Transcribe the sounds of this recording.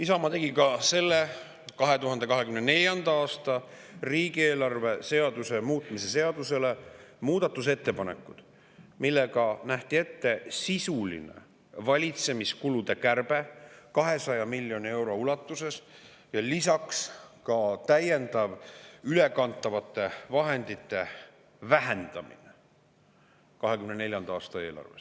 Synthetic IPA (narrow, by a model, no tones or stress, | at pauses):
isɑmɑt̪e̞ɡikɑse̞lːe̞ | kɑɦe̞t̪uɦɑnd̪̥e̞kɑɦe̞kymnene̞lʲjɑnd̪ɑɑːst̪ɑ | riːɡ̥ie̞ːlɑrve̞se̞ɑd̪̥use̞muːt̪ːˑmise̞se̞ɑd̪use̞le̞muːd̪̥ɑt̪ːˑuse̞t̪ːe̞pɑnḛkːˑud̪̥ | milːeɡ̥ɑnæht̪ie̞t̪ːe̞sisulḭnḛ | vɑlʲit̪se̞miskulud̪̥e̞kærb̥e̞kɑɦe̞sɑjɑmilʲːjo̞nie̞wɾo̞ulɑt̪ˑːuse̞s | jɑlisɑkskɑt̪æje̞nd̪ɑvyle̞kɑnt̪ːˑɑvɑt̪ːˑe̞vɑɦe̞nd̪̥it̪ːe̞ | væɦe̞nd̪̥ɑmḭne | kɑɦekymnene̞lʲjɑnd̪ɑɑːst̪ɑe̞ːlɑ̰rves